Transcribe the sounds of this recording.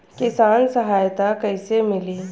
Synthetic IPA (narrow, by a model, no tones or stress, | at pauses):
kɪsaːnsɐɦaːjt̪akɐɪsemɪliː